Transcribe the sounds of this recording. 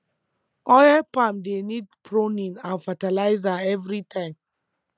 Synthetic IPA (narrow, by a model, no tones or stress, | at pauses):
ɔjɛpãmdenidpʰɹonĩŋãnfatalaɪzaɛvɾitʰãɪ̃m